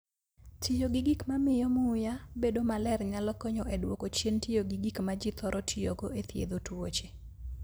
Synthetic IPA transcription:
tʰijoɡiɡikmamɪjɔmʊjabedomalɛrɲalɔkɔɲɔʔedwokot͡ʃjentijoɡiɡikmad͡ʒit̪ɔɾʔɔtʰijoɡoet̪ʰjḛd̪otwot͡ʃe̥

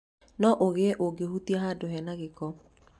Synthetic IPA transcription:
nɔʔoɣeʔoɡehutiaɦaːdoɦɛnaɣekɔ

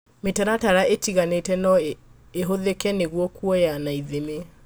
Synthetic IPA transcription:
metaɾataɾaʔetiɣanetɛnɔ | eɦoðekɛneɣwɔkuɔjanaiðeme

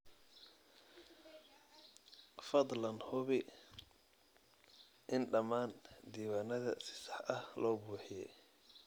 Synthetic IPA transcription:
fɐd̪ˤlɐnhʊβɪ | ʔɪnɖɐmaːnd̪iːwaːnɐðɐsɪ̥sɐħʔɐhlɔːbuːħɪjɛ̰

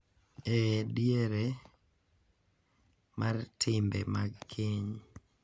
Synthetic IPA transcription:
ɛdjeɾe | martʰɪmbɛ̰maɡkʰiɲ

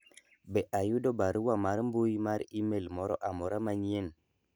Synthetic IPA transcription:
bɛʔajudobaɾuwamaɾmbujmaɾimelmɔɾɔ̰ʔamoɾamaɲien

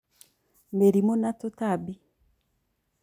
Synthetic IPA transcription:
meɾimonatotabi

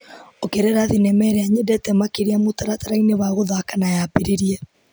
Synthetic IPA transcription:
okeɾɛɾaðinɛmɛɾɛaɲedɛtɛmakeɾiamotaɾataɾaineβaɣoðaakanajapeɾeɾiɛ

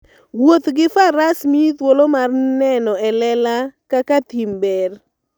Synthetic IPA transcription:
wot̪ɡɪfaɾasmit̪wolomarnɛnɔɛlɛlakakat̪imber

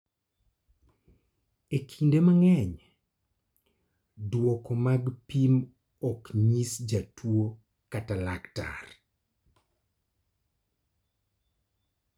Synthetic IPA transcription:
ekʰindemaŋɛɲ | dwɔkɔmaɡpim | ɔkɲisd͡ʒatʰwo | katalakta̰r

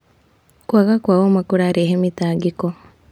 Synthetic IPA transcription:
kwaɣakwawomakuɾaːɾeɦemitaːɡiko

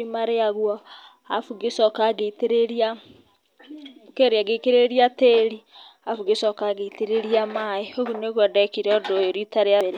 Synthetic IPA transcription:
imaɾeaɣwɔ | afuɣesɔkaɣeteɾeɾia | keɾeaɡekeɾeɾiateɾi | afuɣesɔkaɣeiteɾeɾiamaeoɣuneɣwadɛkiɾɔdoeɾitaɾeaβeɾe

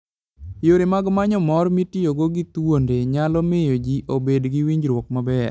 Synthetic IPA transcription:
joɾemaɡmaɲɔmɔrmitijoɡoɡɪt̪wondeɲalɔmejod͡ʒiʔobedɡiwiɲd͡ʒɾwɔk̚mabɛr

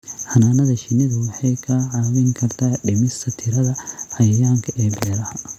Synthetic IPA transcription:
ħɑnaːnɐðɐʃɪnɪðɐwɑħɑjkʰɐʕɑːβɪŋkʰɐrt̪ʰaːɖɪmɪst̪ʰɐt̪ʰɪɾɐðɐħɑjɐjaːŋkʰɐʔɛːbɛːɾɐhɐ

